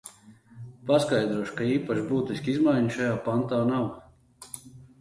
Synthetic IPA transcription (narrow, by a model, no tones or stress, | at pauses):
paskajd̪ɾuɔʃkaiːpaʃbuːt̪isʲkʲizmajɲiʃajaːpant̪aːnaw